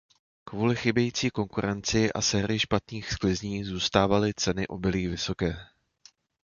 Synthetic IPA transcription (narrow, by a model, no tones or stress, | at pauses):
kvuːlɪxɪbjɛjiːt͡siːko̞ŋkuɾɛnt͡sɪʔa̰sɛːɾɪɪʃpat̪ɲiːxsklɪzɲiːzuːst̪aːvalɪt͡sɛnɪʔo̞bɪliːvɪso̞kɛː